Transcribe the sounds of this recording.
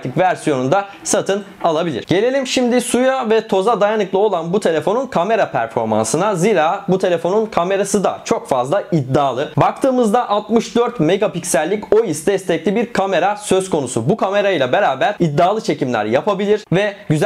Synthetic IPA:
t̪ʰɯkvæɾsijo̞nund̪a | sat̪ʰɯnalˠabilʲḭɾ̥ɟ̥e̞lʲe̞lʲimʃimd̪ɪsujavɛt̪ʰo̞zad̪ajanɯklˠɯo̞lˠanbut̪ʰe̞lʲe̞fo̞nunkʰame̞ɾapʰæɾfo̞ɾma̰nsɯnaziːɾaːbut̪ʰe̞lʲe̞fo̞nunkʰame̞ɾasɯd̪a̰t͡ʃʰo̞kfazlˠaid̪ːaːlˠɯbak̚t̪ʰɯːmɯzd̪aʔalˠt̪mɯʃd̪øɾt̪meɡapicsælʲːico̞jisd̪ɛst̪ɛclʲibiɾkʰame̞ɾasøskʰo̞nusubukʰame̞ɾajlˠabe̞ɾaːbæɾid̪ːaːlˠɯt͡ʃʰe̞cimlʲæ̰ɾjapʰabilʲiɾvɛɟyz

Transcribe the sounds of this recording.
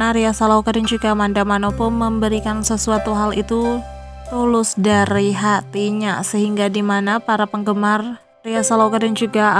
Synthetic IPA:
aɾiasalaukadand͡ʒuɡamandamanopɔməmbəɾikansəsuat̪uɦalit̪u | t̪ulʊsdaɾiɦat̪iɲasəɦiŋɡadimanapaɾapəŋɡəmar | riasalawkadand͡ʒuɡa

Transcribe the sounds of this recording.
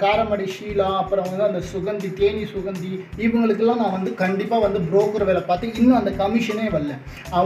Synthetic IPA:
kaːɾɐmɐɽɛʂiːlaːɐpːɯɾɐ̃ʋɐnd̪ɯɐnd̪ɐsʊɣɐnd̪it̪eːnisʊɣɐnd̪iɪʋɐŋɡɐɭɯkːɯlːãːnãːʋɐnd̪ɯkɐɳɖɪpːaːʋɐnd̪ɯbɾoːkːɯɾɐʋeːlɐpaːɾt̪ɯ̃ɪnːɐ̃ɐnd̪ɐkɐmɪʂɐneːʋɐlːɛ̃ | ɐ

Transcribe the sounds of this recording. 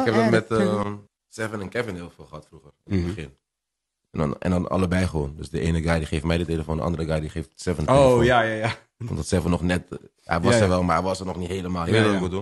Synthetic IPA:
ɪɪkɛp̚dɑtmɛtə | sɛvənənkɛvɪnɦeːlˠfɪːlˠχəɦɑtfruχərənəbəχɪn | ɛndnɛ̰ndɑnɑ̰ləbɛjχəʋoːndəsdəʔeːnəɡɑjdiχejftmɛjdəteləfoːndə̰ʔɑ̰ndəɾəɡɑjdiχeːftsɛvənəojajaja | ʋɔ̰ndɑtsɛvənɔχnɛt | ɛ̰ʋɑsɛʋɛlˠmaːɾɛʋɑsərnɔχnitɦejləmaːlˠdkdun

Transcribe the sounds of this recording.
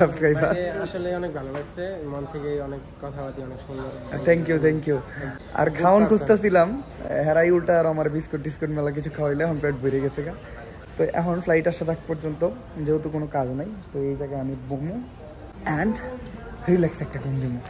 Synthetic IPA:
sabskɾajbʱaɾaʃoleɔnek̚bʱalobaɡsʰemont̪ʰekejɔnekːɔt̪ʰabad̪iɔnekʃund̪ɔɾt̪ʰɛŋkjut̪ʰɛŋkiju | a̰ɾkʰaonkʰust̪asilamɦɛɾajulʈaɾamaɾbiskoʈːiskoʈmɛlak̬it͡ɕʰukʰaɦojleɛkʰonpeʈbʱojɾeɡɛt͡ɕʰeka | t̪oʔɛ̰kʰonfʰlajʈaʃat̪ʰak̚pɔɾd͡ʑont̪o | d͡ʑewt̪okonokad͡ʑnajt̪oejd͡ʑaɡeamibomo | ɛɳɖ | ɾilɛksɛk̚ʈakond̪imo

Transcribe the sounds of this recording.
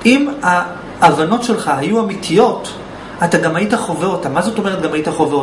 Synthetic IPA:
ima | avano̞tʃe̞lχaɦajuamitʰijo̞t | ataɡamajitaχo̞veot̪amazo̞to̞me̞ʁet̚ɡamhaitaχo̞veo

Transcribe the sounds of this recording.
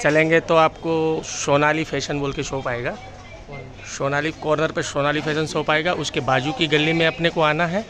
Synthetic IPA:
t͡ʃɐlẽːŋɡet̪oaːpkoʃoːnaːlifʰɛːʃənboːlkeʃoːpaːeːɡaː | ɔːɾ | ʃoːnaːlikɔːɾnəɾpɐɾʃoːnaːlifʰɛːʃənsoːpaːeːɡaʔʊskebaːd͡ʒukiɡɐlːimẽɐpnekoaːnaɦɛː

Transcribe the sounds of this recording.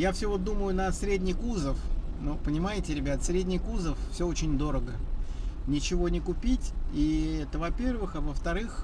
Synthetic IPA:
jafsʲɵvot̪d̪uməjʊnəsɾʲedʲnʲɪjkuzəfnupənʲɪmajɪtʲɪɾʲɪbʲat̪sɾʲedʲnʲɪjkuzəffsʲɵot͡ɕɪnʲd̪o̞ɾəɡə | nʲɪt͡ɕɪvo̞nʲɪkʊpʲitʲiɛt̪əvɐpʲervɨxɐvəft̪ɐɾɨx

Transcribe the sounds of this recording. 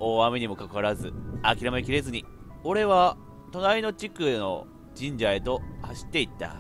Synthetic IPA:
oːamiɲ̟imo̞kakaaɾazɨakʲiɾamaikʲiɾe̞zɨɲ̟io̞ɾe̞βa | t̪o̞naino̞t͡ɕikɯ̟no̞̰ | d͡ʑĩɲ̟d͡ʑae̞t̪o̞haɕi̥t̪ːe̞it̪ːa̰

